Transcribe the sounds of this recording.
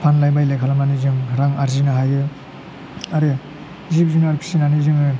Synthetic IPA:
pʰanlajbajlakʰalamanizɯŋɾaŋaɾzinaɦajɾɯ | aɾe | zip̚zinaɾkʰi̥sinaniziŋɯ

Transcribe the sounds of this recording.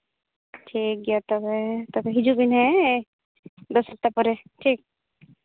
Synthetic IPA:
ʈʰik̚ɡiat̪ɔbet̪ɔbeɦid͡ʒubinɦɛ | d̪ɔsɔp̚t̪apɔɾeʈʰiːk̚

